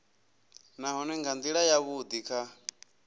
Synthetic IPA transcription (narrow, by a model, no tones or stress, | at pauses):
naɦɔnɛŋɡand̪iɺajaβud̪ikʰa